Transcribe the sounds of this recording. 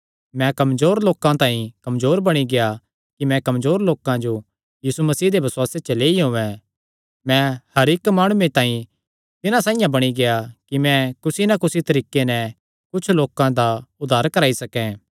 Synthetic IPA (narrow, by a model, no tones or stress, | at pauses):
mɛ̃kɐmzoːɾloːkãt̪ãːĩkɐmzoːɾbɐɽ̃iɡeja | kimɛ̃kɐmzoːɾloːkãd͡ʒo | jiːsumɐsiːd̪ebʱɐswaːset͡ʃɐleːiɦõʋɛ̃ | mɛ̃hɐɾɪkmaːɽ̃uẽt̪ãːĩ | t̪ɪnãsãːɪjãbɐɽ̃iɡejakimɛ̃kʊsinakʊsit̪ɐɾiːkenɛ | kʊt͡ʃʰloːkãd̪aʊd̪ʱːaːɾkɐɾaːisɐkɛ̃